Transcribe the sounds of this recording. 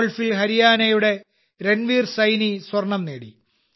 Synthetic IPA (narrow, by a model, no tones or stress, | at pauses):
ɭfilɦɐɾijaːnɐjuɽe̞ | ɾenʋiːrsɐjniswɐrɳɐmneːɽḭ